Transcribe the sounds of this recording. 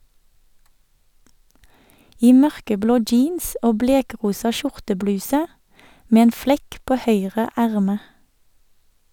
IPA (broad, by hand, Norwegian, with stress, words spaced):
ˈiː ˈmœʁkəˌbloː ˈd͡ʒiːns ˈoː ˈbleːˌkʁuːsɑ ˈʃʊʁtəˌblʉːsə ˈmeː ˈeːn ˈflɛk ˈpoː ˈhœʏʁə ˈæʁmə